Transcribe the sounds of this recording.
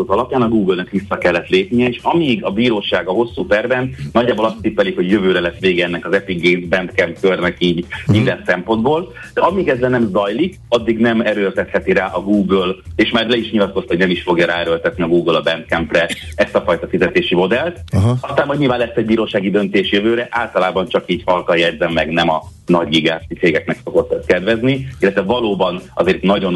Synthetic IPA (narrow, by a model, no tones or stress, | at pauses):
ozɒlɒpjaːnɒɡuːɡølnɛkʋisːɒkɛlːɛt̪leːpnijɛeːʃɒmiːɡɒbiːɾoːʃaːɡɒɦo̞sːuːt̪ɛrvɛnnɒɟːaːbo̞lɒst̪iːpɛlikho̞ɟjøvøːɾɛlɛsʋeːɡɛɛnːɛkɒzɛpiɡːeːzbɛnt̪kɛmpkørnɛkiːɟmind̪ɛnsɛmpo̞nd̪boːl | d̪̥ɛɒmiːɡɛzlɛnɛmzɒjlik | ɒd̪ːiɡnɛmɛɾøːlt̪ɛt̪hɛt̪iɾaːʔɒɡuːɡøleːʃmaːrlɛiʃɲilɒt̪kost̪ho̞ɟnɛmiʃfo̞ɡjɒɾaːɛɾøːlt̪ɛt̪niɒɡuːɡølɒbɛnt̪kɛmprɛɛst̪ɒfɒjt̪ɒfizɛt̪eːʃimo̞d̪ɛlt̪ɒst̪aːmɦoɟɲilvaːnlɛsːɛɟ̚biːɾoːʃaːɡid̪ø̞nt̪eːʃjøvøːɾɛʔaːlt̪ɒlaːbɒnt͡ʃɒkiːɟfɒlkɒljɛd̪zɛmːɛɡnɛmɒ | nɒɟɡiɡaːsit̪seːɡɛknɛkso̞ɡo̞t̪ːkɛd̪vɛzniilːɛt̪ʋɛvɒloːbɒnɒzeːrt̪nɒɟo̞n